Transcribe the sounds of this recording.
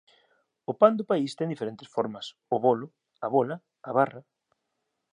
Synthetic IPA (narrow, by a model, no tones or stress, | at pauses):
ʊpand̪ʊpaist̪ẽŋd̪ifeɾent̪ɪsfɔɾmɐs | ʊβolʊ | aβolɐ | aβarɐ